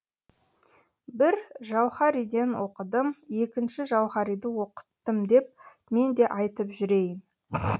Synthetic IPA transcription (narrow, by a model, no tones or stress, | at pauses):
bɪɾʒɑwχɑɾijd̪e̞nwo̞qəd̪əmje̞kʲɪnʃɪʒɑwχɑɾijd̪əwo̞qə̥t̪ːəmd̪e̞p̚ | me̞nd̪e̞ʔɑjt̪əpʒʏɾe̞jɪn